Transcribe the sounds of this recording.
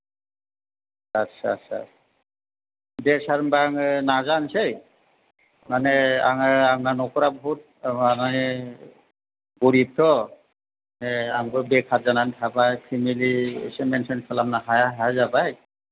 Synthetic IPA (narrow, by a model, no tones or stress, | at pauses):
asʰasa̰ | dɛsaɾmbaŋnazansej | manɛaŋaaŋnanɔkɔɾabɔɦut̚anai | ɡoɾib̚t̪ɔ | manɛaŋbɔbɛkʰatzanantʰabajkʰimeliḛsɛmɛnsɔnkʰalamnaɦajaɦazabaj